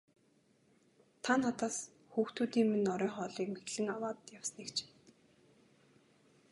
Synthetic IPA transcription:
t̪ʰanːat̪aːs | xuːxt̪uːt̪iːŋmenɔɾœːχɔːɮiːkmet̪ɮɘ̆ŋawaːt̪jawsniːkt͡ɕʰɪ̥n

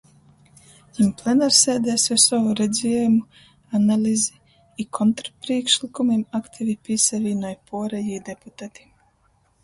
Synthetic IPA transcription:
jimplˠɛnaɾsɛːd̪ɛːsɛsɔvuɾɛd̪zʲiɛjumu | analʲizi | ikʰɔnt̪ɾapɾiɛkʃlikumimakt̪ʰivʲipʲisaviːnɔjpʰuɔɾɛjiːd̪eput̪at̪i̥

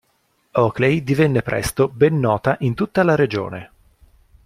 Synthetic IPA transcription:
ɔklejd̪ivɛnːepɾʔɛ̰st̪obɛnːɔːt̪aʔint̪ut̪ːalaɾed͡ʒo̰ːnḛ

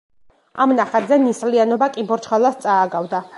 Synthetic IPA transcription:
amnaχad̪zɛnislianɔbakʼimbɔɾt͡ʃχalˠast̪sʼaːɡavd̪a

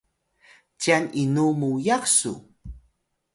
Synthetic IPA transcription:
t͡ɕianinumujaksṵ

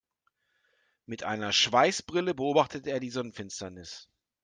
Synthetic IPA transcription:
mɪtʔa̰ɪnɐʃv̥aɪsb̥ʁɪləbəoːbaχtətəeːɐdiːzɔnənfɪnstɐnɪs

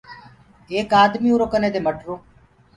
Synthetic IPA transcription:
eːkaːd̪miːuːɾoːkəneːd̪eːməʈɾõː

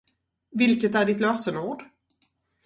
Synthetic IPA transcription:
vɪlkət̪æɖɪt̪løːsənuːɖ

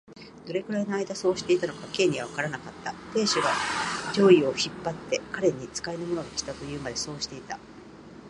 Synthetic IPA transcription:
d̪̥o̞ɾe̞ɡɯ̟ɾaino̞aid̪aso̞ːɕi̥t̪e̞it̪anokake̞ːɲ̟iɡaβakaɾanakat̪ːat̪e̞ːɕiɡad͡ʑo̞ːio̞çipːat̪ːe̞kaɾe̞ɲ̟it͡sɨ̥kainomo̞no̞ɡakʲi̥t̪at̪o̞jɯ̟ːmad̪e̞so̞ːɕi̥t̪e̞it̪a

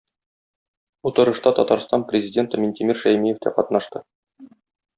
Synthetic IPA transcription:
ut̪ɤ̆ɾɤ̆ʃt̪ɑt̪ɒt̪ɑɾst̪ɑnprʲɪzʲɪdʲe̞nt̪ɤmʲɪnʲt̪ʲimʲiɾʃæjmijeft̪æqɒt̪nɑʃt̪ɤ

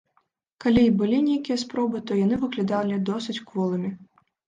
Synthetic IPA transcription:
kalʲibɨlʲinʲejkʲijɐspɾɔbɨt̪ɔjan̪ɨvɨklʲid̪alʲid̪ɔsɨt͡sʲkvɔlˠɨmʲi

